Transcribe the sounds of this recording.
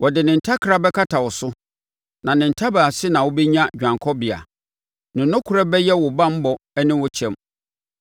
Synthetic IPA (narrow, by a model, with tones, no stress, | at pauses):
wɔ˨dɪ˨nɪ̃˨n̩˨tʰa˦kʰɾa˦bɛ˦kʰa˦tʰa˨wɔ˨sʊ˦ | nã˨nɪ̃˨n̩˨tʰa˦ba˨a˨sɪ˦nã˨wʊ˦bɛ˦ɲã˦d͡ʑᶣã˨ŋkʰɔ˦bɪ˨a̰˨ | nɪ̃˨nʊ̃˦kʰʊ˦ɾɛ˦bɛ˦jɛ˦wɔ˨bã˦m̩˦bɔ˨ɛ˦nɪ̃˦wɔ˦t͡ɕʰɛ̃˦m